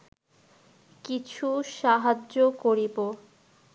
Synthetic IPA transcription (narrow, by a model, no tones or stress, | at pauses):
kit͡ɕʰuʃaɦad͡ʑokoɾibo